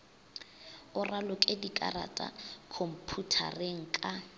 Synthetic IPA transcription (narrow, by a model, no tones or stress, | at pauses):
ʊralʊkʼedikʼa̰ra̰tʼa̰kʰom̩pʰutʰa̰reŋ̩kʼa